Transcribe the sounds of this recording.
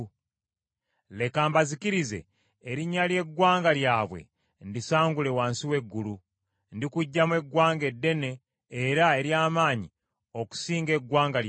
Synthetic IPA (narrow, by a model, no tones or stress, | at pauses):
le̞kaːmbazikiɾize̞̰ː | ɾiɲːalje̞ɡwaːŋɡaljaːβwe̞̰ | ndisaːŋɡule̞waːnsiwe̞ɡːulu | ndikuɟːamwe̞ɡwaːŋɡe̞dːe̞ne̞ː | ɾae̞ɾjaːmaːɲi | o̞ku̥siːŋɡe̞ɡwaːŋɡal